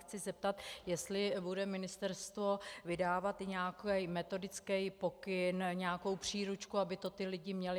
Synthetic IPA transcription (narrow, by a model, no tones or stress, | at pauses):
t͡sɪzɛp̚t̪at̪jɛst̪lɪbudɛmɪnɪst̪ɛɾst̪vo̞vɪdaːvat̪ɲɛakɛjmɛt̪o̞dɪt͡skɛjpo̞kɪnɲɛako̞wpr̝̥iːɾut͡ʃkuabɪt̪o̞t̪ɪlɪɟɪmɲɛlɪ